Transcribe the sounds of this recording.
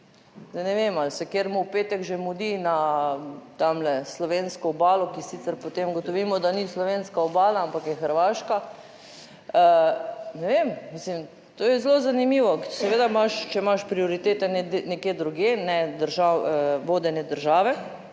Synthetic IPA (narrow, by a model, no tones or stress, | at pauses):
d̪anɛʋemalsɛkjeɾmɔwpeːt̪ɛkʒemud̪ina | t̪amlɛslɔʋenskɔːbaːlɔkisit̪sɛɾpot̪emɡot̪oʋiːmɔd̪anislɔʋenskaɔbaːlaampakjɛxəɾʋaːʃka | ənɛʋemmislim | t̪oːjɛzlozanimiːʋɔsɛʋeːd̪amaʃt͡ʃɛmaʃpɾioɾit̪eːt̪ɛnɛnɛkjeːd̪ɾuɡjenɛd̪əɾʒaʋoːd̪ɛnɛd̪əɾʒaːʋɛ